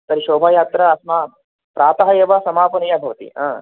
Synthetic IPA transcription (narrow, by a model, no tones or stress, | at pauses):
t̪ɐɾiʃoːbʱaːjaːt̪ɾɐɐsmaː | pɾaːt̪ɐɦɐjɐʋɐsɐmaːpɐnijɐbʱɐʋɐt̪ḭã̰ː